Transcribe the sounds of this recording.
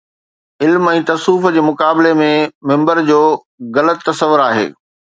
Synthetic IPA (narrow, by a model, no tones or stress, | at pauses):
ɪlmɛ̃ːt̪ɐsuːfd͡ʑeːmʊkaːbɪlemẽmɪ̃mbəɾd͡ʑoː | ɣɐlət̪ːɐsəʋʊɾaːɦḛː